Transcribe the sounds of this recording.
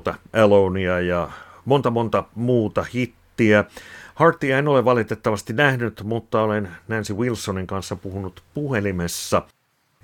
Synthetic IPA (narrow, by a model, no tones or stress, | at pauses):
t̪ɑælouniɑjɑmont̪ɑmont̪ɑmuːt̪ɑhit̪ːiæhɑrt̪ːiɑenoleʋʋɑlit̪et̪ːɑʋɑst̪inæhnyt̪mut̪ːɑolennænsiwilsːoniŋkɑnsːɑpuhunut̪puhelimesːɑ